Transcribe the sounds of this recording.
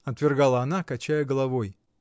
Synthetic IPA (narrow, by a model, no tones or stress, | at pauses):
ɐt̪vʲɪrɡalˠəɐnakɐt͡ɕæjəɡəlˠɐvoj